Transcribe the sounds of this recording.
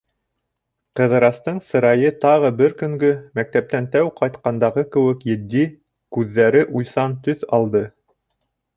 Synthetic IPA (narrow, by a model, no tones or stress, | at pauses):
qɤ̆ðɤ̆ɾɑst̪ɤɴsɤ̆ɾɑjɤt̪ɑʁɤbɘɾkɵ̆ŋɡɵmæk̚t̪æp̚t̪ænt̪æwqɑjt̪qɑnd̪ɑʁɤkɘ̆wɘ̆kjɘ̆d̪ːi | kʉðːæɾɘʔujsɑnt̪ɵθɑlˠd̪ɤ